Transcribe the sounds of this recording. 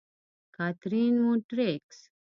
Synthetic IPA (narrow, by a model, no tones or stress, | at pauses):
kat̪ɾinmuʈɾeks